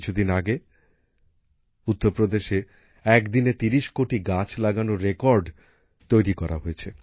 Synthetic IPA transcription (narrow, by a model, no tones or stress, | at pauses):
t͡ɕʰud̪inaɡe | ut̪ːoɾpɾod̪eʃe | ɛkd̪inet̪iɾiʃkoʈiɡat͡ɕʰlaɡanoɾekɔɾɖ | t̪ojɾikɔɾa̰ɦoet͡ɕʰe